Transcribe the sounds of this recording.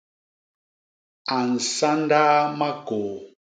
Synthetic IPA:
a˨n̩˨sa˦n˦daː˦ma˦ko˨

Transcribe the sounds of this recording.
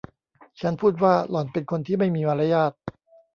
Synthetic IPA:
t͡ɕʰa˦˥npʰuː˥˩t̪̬̚waː˥˩lɔː˨˩npe˧nkʰo˧nt̪ʰiː˥˩ma˥˩jmiː˧ma˧ɾa˦˥jaː˥˩t̪̚

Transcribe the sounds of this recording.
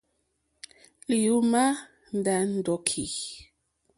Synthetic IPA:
li˨ju˦ma˦ | n̩˨da˨˦n̩˦˨dɔ˨˦kʰi˨

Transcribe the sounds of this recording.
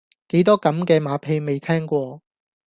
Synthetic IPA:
ke˨˥jt̪ɔː˥kɐ˨˥mkɛː˧maː˨˥pʰe˧jme˨jt̪ʰɛː˥ŋkʷɔː˧

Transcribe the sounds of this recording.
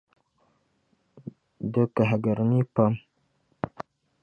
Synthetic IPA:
də˦ka˨ɦa˨ɡə˨ɾni˦pa˦m

